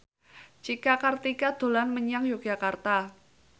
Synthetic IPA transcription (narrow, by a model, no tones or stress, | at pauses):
d͡ʒikakart̪ikad̪̥o̤lanməɲaŋjoɡ̥ʒ̥akart̪a